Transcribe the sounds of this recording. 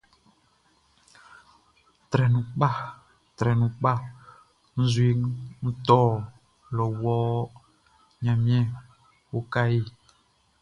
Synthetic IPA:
t̪ɾɛ˨nũ˨k͡pa˦ | t̪ɾɛ˨nũ˨k͡pa˦˨ | n̩˦zwi˦ŋn̩˦t̪ɔ˦ | lɔ˨wɔ˦ | ɲã˨mĩ˦ɛ̃˦ | wo˦ka˦je˦˨

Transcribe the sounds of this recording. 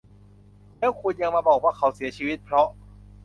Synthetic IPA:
lɛː˦˥˩wkʰu˧nja˧ŋmaː˧bɔː˨˩k̚wa˥˩kʰːa˨˦wsi˩˦ɐt͡ɕʰiː˧wi˦˥t̪̚pʰɾɔ˦˥ʔ

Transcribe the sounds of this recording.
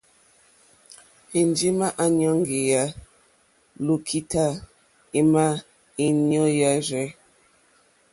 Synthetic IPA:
i˨nd͡ʒi˦ma˦ʔa˦ɲɔ˦ŋ˦ɡe˨ja˦ | lu˨kʰi˦ta˦ | i˦ma˦ | i˦ɲɔ˦ja˦ɾɛ˦

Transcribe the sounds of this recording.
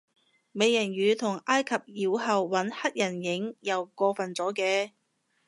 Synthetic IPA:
me˨˧jɐ˨˩njyː˨˧t̪ʰʊ˨˩ŋʔaː˥jkʰɐ˨p̚jiː˨˥˧whɐ˨˧wːɐ˨˥nhɐ˥t̚jɐ˨˩njɪ˨˥ŋjɐ˨wkɔː˧fɐ˨nt͡sɔː˨˥kɛː˧

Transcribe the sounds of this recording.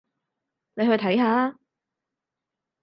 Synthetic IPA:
ne˨˧jhɵ˧ɥt̪ʰɐ˨˥jhaː˨˧

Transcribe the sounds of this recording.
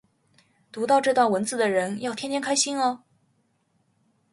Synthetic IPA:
t̪u˧˥t̪ɑ˥˧ʊʈ͡ʂɤ˥˧t̪wa˥˩nwə˧˥nt͡sɹ̩˥˩d̪ə˩ɻə˧˥njɑ˥˩ʊt̪ʰjɛ˥nʰjɛ˥ŋkʰa˥ɪɕi˥nɐ˧

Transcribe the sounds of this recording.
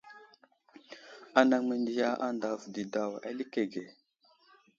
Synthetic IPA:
a˨na˨ŋme˨ndi˨ja˦a̰˦nda˨vdi˨da˨wa̰˨li˦ke˨ɡe˨

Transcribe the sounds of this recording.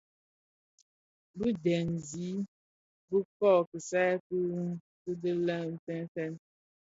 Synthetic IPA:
bu˦dɛ˨n˨zi˨˦ | bə˦kɔ˦˨kə˨sa˦ku˦ | kɨ˦də˦lə˦n̩˦tɛ˦n˦fɛ˦n

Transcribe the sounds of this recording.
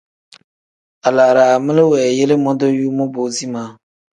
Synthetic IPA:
a˨laː˨ɾaː˨a˨mɪ˦lɪ˦wɛː˨je˦le˦mɔ˦do˦juː˦mɔ˦boː˦zi˦maː˨˦

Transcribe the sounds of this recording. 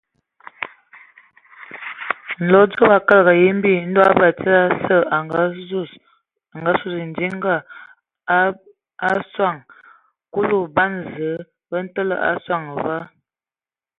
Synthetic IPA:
n̩˨lɔ˦d͡zə˦ba˨ka˦lɡa˨ji˦m˦bi˦˨n̩˦dɔ˦a˦ba˨t͡sə˦ɾa˦sə˦˨a˨ŋɡa˦˨s | a˨ŋɡa˦su˦˨sn̩˨di˦ŋ˦ɡa˦˨˦ | a˦swa˦˨ŋ | ku˦lu˦˨ba˦nzə˨˦ | bə˦n̩˦tə˦lə̰˦ʔa̰˦swa˦˨ŋ˨va˦

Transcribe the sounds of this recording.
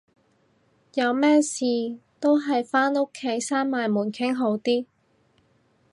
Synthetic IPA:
jɐ˨˧wmɛː˥siː˨t̪o˥wɦɐ˨jfaː˥no˥kʰːe˨˥jsaː˥nmaː˨˧jmuː˨˩nkʰɪ˥ŋɦo˨˥wt̪iː˥

